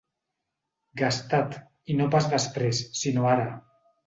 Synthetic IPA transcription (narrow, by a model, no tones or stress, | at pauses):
ɡast̪at̪ | inopazðəspɾesːinoaɾə